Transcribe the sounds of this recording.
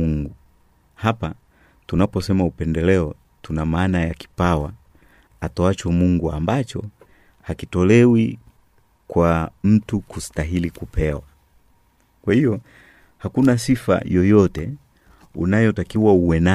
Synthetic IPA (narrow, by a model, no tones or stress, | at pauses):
uŋɡu | hapa | tunapɔsɛmaupɛndɛlɛɔ | tunamaːnajaki̥pawa | atɔat͡ʃɔmuŋɡuambat͡ʃɔ̰ | hakitɔlɛwi | kwam̩tukustaɦilikupɛwa | kwahijɔ | hakunasifa̰jɔjɔtɛ | unajɔtakiwauwɛna